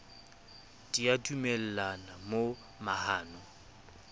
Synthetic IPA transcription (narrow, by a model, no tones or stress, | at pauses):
d̥iadumɛl̩lanamo | mahaːnɔ